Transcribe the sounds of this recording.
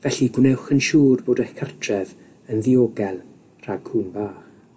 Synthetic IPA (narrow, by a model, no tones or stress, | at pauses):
vɛɬiɡwnɛwχənʃuːrboːdɛkʰartʰrɛð | ənðioːɡɛlˠ | r̥aɡhuːnbaːχ